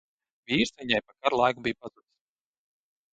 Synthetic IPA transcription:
vʲiːɾst̪viɲajpakaɾlˠajkubijupazut̪s

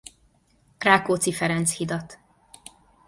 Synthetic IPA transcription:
raːkoːt̪sifɛɾɛnt̪shid̪ɒt̪

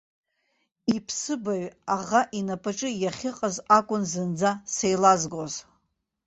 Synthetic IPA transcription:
ipʰsɨbaɥaʁaʔinapʰaʈ͡ʂʼɨjaχʲɪqʼəzakʷʼʊnzɨnd͡zasejlazɡʷoz

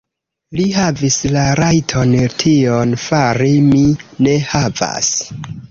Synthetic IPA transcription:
liɦavislaɾajtʰo̞ntʰionfaɾimine̞hava̰s

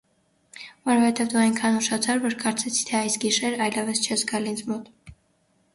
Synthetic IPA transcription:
vɔɾɔfɛt̪ɛvd̪uɑjnkʰɑnuʃɑt͡sʰɑɾvɔɾkɑɾt͡sʰɛt͡sʰi̥t̪ʰɛɑjsɡiʃɛɾɑjlɛvəst͡ʃʰɛzɡɑlint͡sʰmɔt̪

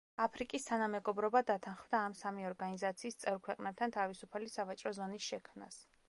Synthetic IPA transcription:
apʰɾikʼist̪ʰanamɛɡɔbɾɔbad̪at̪ʰanχvd̪aːmsamiɔɾɡanizat̪sʰiːst̪sʼɛvɾkʰwɛqʼnɛb̚t̪ʰant̪ʰavisupʰalisavat͡ʃʼɾɔzɔnisʃɛkʰmna̰s

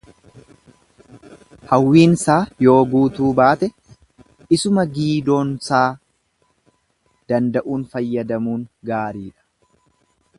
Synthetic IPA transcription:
hɐwːiːnsaːjo̞ːɡuːt̪uːbaːt̪ɛ | ɪsʊmɐɡiːd̪o̞ːnsaː | d̪̥ɐnd̪ɐʔuːnfɐjːɐd̪ɐmuːŋɡaːɾiːᶑɐ̥

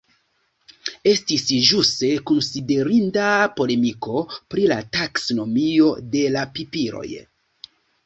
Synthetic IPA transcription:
e̞stisʒuste̞kunside̞ɾindapo̞le̞miko̞pɾila̰taksono̞mio̞de̞lapipiɾo̞̰j

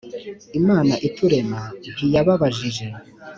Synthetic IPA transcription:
imaːnaʔituɾe̞maβijaβaβaʒiʒe̞

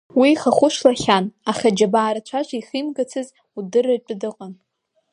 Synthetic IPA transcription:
wiχaχʷʊʃlaχʲanaχʲad͡ʒabaːɾat͡ɕʷʰaʒʷaiχimɡat͡sʰɨz | udɨrat͡pʼʊdɨqʼan

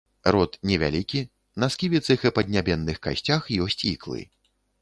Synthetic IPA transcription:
ɾɔt̪nʲɛvʲa̰lʲikʲi | nɐskʲivʲit̪sɨxɨpɐd̪ʲnʲabʲɛnːɨxka̰sʲt͡sʲaxjɔsʲt͡sʲḭklˠɨ̰

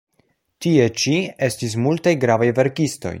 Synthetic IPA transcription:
tie̞t͡ʃie̞stis̬multajɡɾavajve̞ɾkisto̞̰j

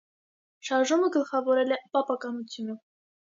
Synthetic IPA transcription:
ʃɑɾʒuməɡəlˠχɑvɔɾɛlɛpɑpɑkɑnut͡sʰjunə

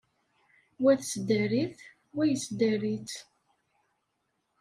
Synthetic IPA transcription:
wæθsd̪æɾiθ | wæjət͡sːd̪æɾit͡s

